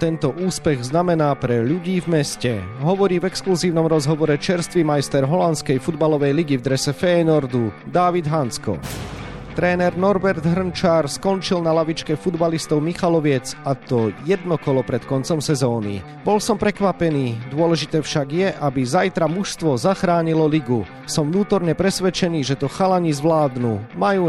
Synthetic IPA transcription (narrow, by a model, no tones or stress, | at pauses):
t̪ɛnt̪ɔʔuːspɛɣznamɛnaːpɾɛʎuɟiːvmɛscɛɦɔʋɔɾiːvɛkskluziːʊnɔmɾɔzɦɔʋɔɾɛt͡ʃɛɾst̪ʋimajst̪ɛɾɦɔlant̪t͡skɛjfud̪balɔʋɛjliɡivd̪ɾɛsɛfɛːnɔɾd̪u | d̪aʋid̪ɦanskɔ̰ | t̪ɾɛːnɛɾnɔɾbɛɾd̪ɦr̩nt͡ʃaːɾskɔnt͡ʃilnalaʋit͡ʃkɛfud̪balist̪ɔʊmixalɔʋɪɛt͡sat̪ɔjɛd̪nɔkɔlɔpɾɛt̪kɔnt͡sɔmsɛzɔːnḭ | bɔlsɔmpɾɛkʋapɛniːd̪ʊɔlɛʒit̪ɛːfʃaɡjɛʔabizajt̪ɾamuʃst̪ʋɔzaxɾaːɲilɔliɡu | sɔmʋnuːt̪ɔɾɲɛpɾɛsʋɛt͡ʃɛniːʒɛt̪ɔxalaɲizʋlaːd̪nuːmajuː